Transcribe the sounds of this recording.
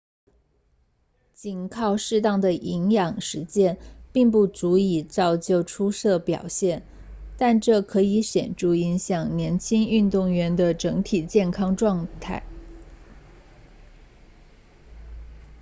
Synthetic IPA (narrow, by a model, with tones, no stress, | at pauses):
t͡ɕi˨˩nkʰɑ˥˧ʊʂɻ̩˥˧t̪̬ɑ˥˩ŋd̪ə˩ʔi˧˥ŋjɑ˨˩ŋʂɻ̩˧˥t͡ɕjɛ˥npi˥˧ŋpu˥˩t͡su˧˥i˨˩t͡sɑ˥˧ʊt͡ɕjo˥˩ʊʈ͡ʂʰu˥sɤ˥˩pjɑ̰˨˩ʊɕjɛ˥˩n | t̪a˥˧nʈ͡ʂɤ˥˩kʰɤ˧˥i˧˥ɕjɛ̰˨˩nʈ͡ʂu˥˩i˧˥ŋɕjɑ˨˩ŋnjɛ˧˥nt͡ɕʰi˥ŋy˥˧nt̪ʊ˥˩ŋɥɛ˧˥nd̪ə˧ʈ͡ʂɤ˧˥ŋt̪ʰi˨˩t͡ɕjɛ˥˩nkʰɑ˥ŋʈ͡ʂwɑ˥˧ŋt̪ʰa˥˩ɪ